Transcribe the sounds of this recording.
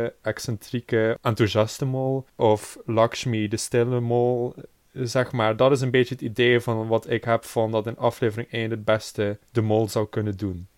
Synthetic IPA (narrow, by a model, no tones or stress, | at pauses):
ɛksɛntrikəʔantuzɑstəmolˠʔɔflɑkʃmidəstɪləmolˠ | zɛxmaːɹdɑtɪs̬ənbeːt͡ʃəɦətideːvɑnʋɑtɪkɦɛpfɑndɑtɪnʔɑfleːvərɪŋeːnəd̚bɛstədəmolˠzɑwkɵnədun